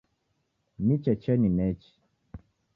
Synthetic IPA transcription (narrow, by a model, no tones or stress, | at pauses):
nit͡ʃɛt͡ʃɛninɛt͡ʃi̥